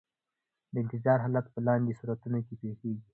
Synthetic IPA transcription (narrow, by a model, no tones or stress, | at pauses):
d̪əɪnt̪ɪzɑɾɦɑlat̪pəlɑnd̪esuɾat̪unokepexeɡi